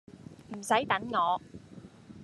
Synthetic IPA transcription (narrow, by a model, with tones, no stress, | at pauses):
m̩˨˩sɐ˨˥jt̪ɐ˨˥nŋɔː˨˧